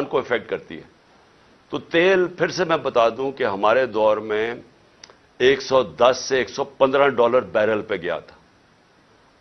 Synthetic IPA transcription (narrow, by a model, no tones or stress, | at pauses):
nkoɪfɛk̚ʈ̚kɐɾt̪ḭɦɛː | t̪oːt̪eːlpʰɪɾsemɛ̃bɐt̪aːd̪ũkeɦɐmaːɾed̪ɔːɾmẽ | eːksɔːd̪ɐsːeeːksɔːpɐ̃nd̪ɾãɖɔːləɾbɛːɾəlpeɡɐja̰t̪ʰḁː